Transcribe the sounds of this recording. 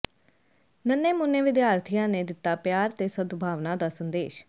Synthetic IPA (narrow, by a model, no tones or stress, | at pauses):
nənːeːmʊnːeːʋɪd̪jaːɾt̪ʰijãːnẽːd̪ɪt̪ːaːpjaːɾt̪eːsəd̪bʱaːʋnãːd̪aːsənd̪eːʃ